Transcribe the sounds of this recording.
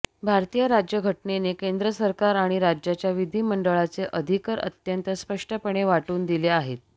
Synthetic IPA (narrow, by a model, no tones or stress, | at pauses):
bʱaɾt̪ijəɾad͡ʑjəɡʱəʈnenekend̪ɾəsəɾkaɾaɽ̃iɾad͡ʑjat͡ɕjaʋid̪ʱiːməɳɖəɭat͡seʔəd̪ʱikəɾə̰t̪jənt̪əspəʂʈəpəɳ̃eʋaʈuːnd̪ileaɦet̪̚